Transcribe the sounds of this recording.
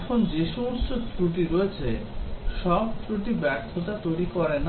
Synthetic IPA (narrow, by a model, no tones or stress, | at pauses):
kʰond͡ʑeʃomosot̪ɾuʈ̬iɾoet͡ɕʰeʃɔb̚t̪ɾuʈ̬ibɛɾt̪ʰːot̪at̪ojɽikoɾen